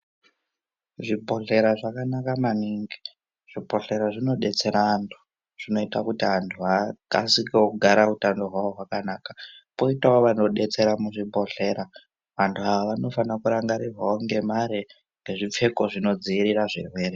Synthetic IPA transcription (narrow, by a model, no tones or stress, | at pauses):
ʐipo̞ɬe̞ɾaʐakanakamaniŋɡi | ʐ̥ibʱo̞ɬe̞ɾaʐino̞ɗe̞t͡se̞ɾantʰu̥ | ʐ̥ino̞itakutiɦantʰuɦaka̰sikekuɡʱaɾautando̞ɦwawoɦwakanaːkḁpo̞itaoʋano̞ɗe̞t͡se̞ɾamuʐibʱo̞ɬe̞ɾa | ʋantʰuaʋaʋano̞fanakuɾaŋɡaɾirwaoŋɡe̞maɾi | ŋɡeʐip͡fe̞ko̞ʐino̞d͡ziiɾiraʐḭrwe̞ːɾe